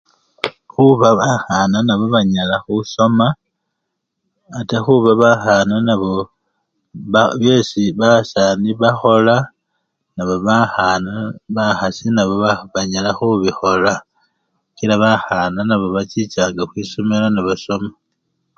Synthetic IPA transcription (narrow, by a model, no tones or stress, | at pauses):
xuβaβaxananaβo̞βaɲalaxuso̞ma | texuβaβaxananaβo | βaβje̞siβasaːniβaxo̞la | naβoβaxanaβaxasinaβo̞βaβaɲalaxuβixo̞la | kilaβaxananaβo̞βat͡ʃit͡ʃaːŋɡaxwiːsomelanaβaso̞ma